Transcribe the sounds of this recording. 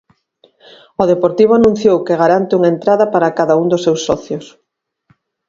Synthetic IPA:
ʊðepoɾt̪iβ̞ʊanũn̟θjowkeɣaɾant̪ɪuŋaent̪ɾaðɐpaɾakaðaund̪ʊsːewsːɔθjʊs

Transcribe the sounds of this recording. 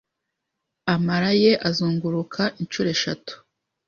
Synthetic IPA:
amaɾaje̞ʔazuːŋɡuɾukʰaʔint͡ʃuːɾe̞ʃatu̥

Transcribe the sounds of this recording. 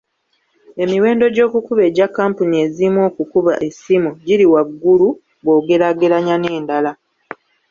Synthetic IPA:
e̞miwe̞ːndo̞ɟo̞ːkukuβe̞ːɟakːaːmpunie̞zimwo̞ːkukuβa̰ʔe̞simuɟiɾiwaɡːulu | βo̞ːɡe̞ɾaɡe̞ɾaɲane̞ːndala

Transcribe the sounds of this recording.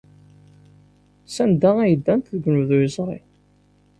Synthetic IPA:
sænd̪ææjəd̪ːænt̪ðəɡʷnuðizˤɾḭ

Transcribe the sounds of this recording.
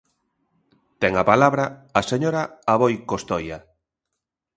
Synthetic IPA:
t̪ɛŋapalaβɾaːseɲoɾaaβojkost̪oja

